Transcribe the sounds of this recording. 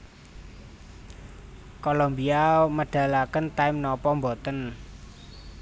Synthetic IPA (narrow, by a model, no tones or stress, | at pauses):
kolombiaməɖ̥a̤lakənt̪aɪmnɔpɔmbɔt̪ən